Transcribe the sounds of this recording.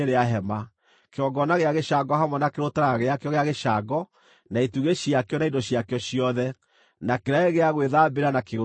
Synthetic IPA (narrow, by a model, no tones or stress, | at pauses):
eɾeaɦɛma | keɔɡɔnaɣeaɣeʃaɡɔɦamwɔnakeɾotaɾaaɣeakeɔɣeaɣeʃaɡɔ | naetuɣeɕiakeɔnaidoɕiakeɔʃijɔðɛ | nakeɾaeɣeaɣweðabeɾanakeo